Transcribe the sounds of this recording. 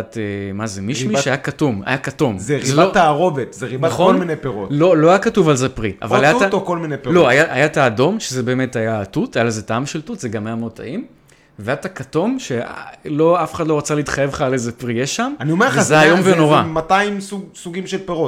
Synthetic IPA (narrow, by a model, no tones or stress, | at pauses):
temazemiʃmiʃeajakatuma̰jakatomzeʁilataːʁovet̪zeʁinbaaχoonminejpeʁotlo̞lo̞ajakatuvalzepʁiʔa̰vallajaatokolminejpelo̞ajaʔajataːdo̞mʃezebe̞ːme̞tajatutajalezetaamʃeltutzeɡamajamota̰im | veajatakato̞mʃelo̞afe̥χad̪lo̞ʁat͡saleitχajevχaːlezepʁijeʃamaniomeazeaajomveno̞ʁamataimsuɡsuɡimʃelpeʁot